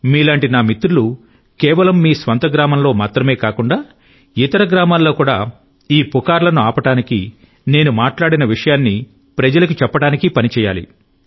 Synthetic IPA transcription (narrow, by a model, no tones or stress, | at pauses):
miːlaːɳʈinaːmit̪ɾulu | kɛːʋɐlɐmːiːsʋɐnt̪ɐɡɾaːmɐmlo̞ːmaːt̪ɾɐme̞ːkaːkuɳɖaː | it̪ɐɾɐɡɾaːmaːlːo̞ːkuːɽaː | iːpukaːɾlɐnuaːpɐʈaːnikḭ | ne̞ːnumaːʈlaːɽinɐʋiʂɐjaːnːi | pɾɐd͡ʒɐlɐkut͡ʃɛpːɐʈaːnikipɐnit͡ʃɛːja̰ːlḭ